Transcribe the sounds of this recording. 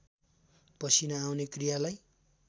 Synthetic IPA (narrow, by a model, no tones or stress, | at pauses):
pʌsinʌawnekrijalaj